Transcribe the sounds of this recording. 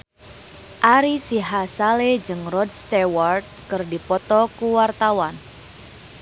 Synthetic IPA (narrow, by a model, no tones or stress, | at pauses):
ʔaɾisiɦasaled͡ʒɨŋrɔd̚st̪eward̪̚kɨrdipɔt̪ɔkuwart̪awan